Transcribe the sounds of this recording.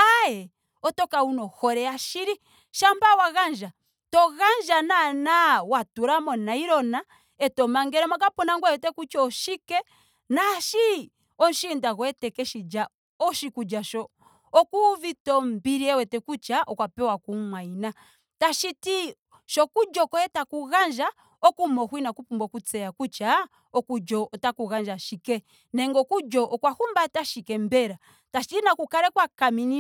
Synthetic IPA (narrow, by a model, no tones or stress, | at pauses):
ajɛ | ɔtɔkaunɔhɔɾɛaʃiɾi | ʃambawaɣand͡ʒa | tɔɣand͡ʒananawatuɾamɔnaiɾɔna | ɛtɔmaŋɡɛɾɛmakapɔnaŋɡwɛwɛtɛkut͡ʃɔːʃikɛ | naʃi | ɔnʃindaɣwɛtɛkɛʃid͡ʒa | ɔʃikud͡ʒaʃɔ | ɔkuvitɔm̩biɾiɛwɛtɛkut͡ʃaʔɔkwapɛwakumwaina | taʃiti | ʃɔkud͡ʒɔkɔɛtakuɣand͡ʒa | ɔkumɔhwinakupumbɔkut͡sɛjakut͡ʃa | ɔkud͡ʒɔːtakuɣand͡ʒaʃikɛ | nɛŋɡɔkud͡ʒɔʔɔkwahumbataʃikɛmbɛɾa | taʃitinakukaɾɛkwakamini